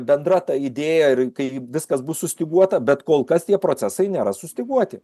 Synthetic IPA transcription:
bʲɛnd̪rɐt̪ɑid̪ʲeːjɛɪrkɐɪʋʲɪskɐsbʊssʊsʲt̪ʲɪɡuɔt̪ɐbʲɛt̪koːlˠkɐst̪ʲiɛpɾoːt͡s̪ʲæsɐɪnʲeːɾɐsʊsʲt̪ʲɪɡuɔt̪ʲɪ

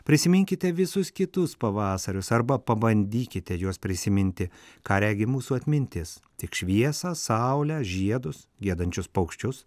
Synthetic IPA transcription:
pʲɾʲɪsʲɪmʲɪŋʲkʲɪt̪ʲɛʋʲɪsʊskʲɪt̪ʊspɐʋɑːsɐɾʲʊsɐɾbɐpɐbɐnʲd̪ʲiːkʲɪt̪ʲɛjuɔspʲɾʲɪsʲɪmʲɪnʲt̪ʲɪkɑːɾʲæːɡʲɪmuːsuːɐt̪ʲmʲɪnʲt̪ʲɪs | t̪ʲɪkʃʲʋʲiɛsɑːsɑʊlʲæːʒʲiɛd̪ʊsɡʲiɛd̪ɐnʲt͡ʃʲʊspɐʊkʃʲt͡ʃʲʊs

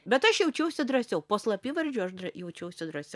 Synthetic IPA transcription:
bʲɛt̪ɐʃjɛʊt͡ʃʲɛʊsʲʊd̪rɐsʲɛʊpoːslˠɐpʲiːʋɐɾʲd͡ʒʲuːɐʃd̪ɐjɛʊt͡ʃʲɛʊsʲʊd̪ɾɐsʲɛ

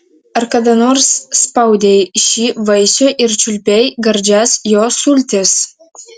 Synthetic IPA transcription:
ɐɾkɐd̪ɐnorsːpɐwd̪ʲejʃʲiːʋɐjsʲoʔɪrt͡ʃʲʊlʲpʲɛjɡɐɾʲd͡ʒʲæsjosulʲt̪ʲɪs

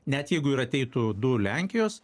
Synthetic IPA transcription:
nʲɛt̪jɛɪɡʊɪɾɐt̪ʲɛɪt̪ʊd̪ʊlʲæˑŋʲkʲɪjoːs

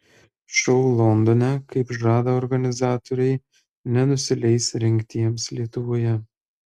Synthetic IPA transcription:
ʃʲɛʊlˠɔnd̪onʲɛkɐɪpʒɑːd̪ɐɔɾɡɐnʲɪzɑːt̪oɾʲɛɪ | nʲɛnʊsʲɪlʲɛɪsɾʲɛŋʲkt̪ʲiɛmslʲiɛt̪ʊʋoːjɛ

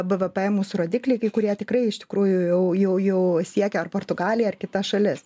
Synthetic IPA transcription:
bɛʋʲɛpɛmuːsʊɾoːd̪ʲiːklʲɛɪkɐɪkʊɾʲiɛt̪ʲɪkɾɐɪɪʃt̪ʲɪ̥kɾuːjʊjɛʊjɛʊjɛʊsʲiɛkʲɛɐrpoːrt̪ʊɡɑːlʲɪjɛɐrkʲɪt̪ɐsʃɐlʲɪs

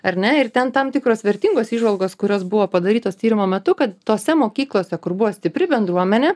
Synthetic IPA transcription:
ɐɾʲnʲɛɪɾt̪ʲɛnt̪ɑmt̪ʲɪkɾoːsʋʲɛɾʲt̪ʲiːŋɡoːsiːʒʋɐlˠɡoːskʊɾʲoːsbʊʋoːpɐd̪ɐɾʲiːt̪oːst̪ʲiːɾʲɪmoːmʲɛt̪ʊkɐt̪t̪oːsʲɛmoːkʲiːklˠoːsʲɛkʊɾbʊʋoːsʲt̪ʲɪpʲɾʲɪbʲɛnd̪ɾuɔmʲɛnʲeː

